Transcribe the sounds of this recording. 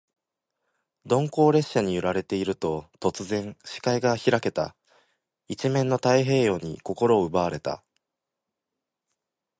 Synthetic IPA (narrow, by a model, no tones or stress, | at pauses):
d̪õ̞ŋko̞ːɾe̞ɕːaɲ̟ijɯ̟ɾaɾe̞t̪e̞iɾɯ̟t̪o̞t̪o̞t͡sɨzẽ̞ɰ̃ɕi̥kaiɡaçiɾake̞t̪a̰ | it͡ɕimẽ̞nːo̞t̪aiɦe̞ːjo̞ːɲ̟ḭko̞ko̞ɾo̞ːɯ̟baaɾe̞t̪a̰